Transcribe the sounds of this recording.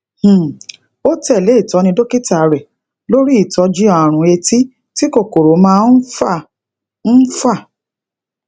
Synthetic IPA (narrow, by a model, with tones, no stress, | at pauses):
h̩˨ | o˦tɛ˦˨le˨˦i˦˨tɔ˨˧˦nĩ˧do˦ke˦ti˦a˨˧ɾɛ˨ | lo˦ɾi˦i˦˨tɔ˨˧d͡ʒi˦a˦˨ɾ̃ũ˧˦e˧ti˦ | ti˦ko˦˨ko˨ɾo˨˦mãː˦˧n̩˦fa˦˨ | n̩˦fa˦˨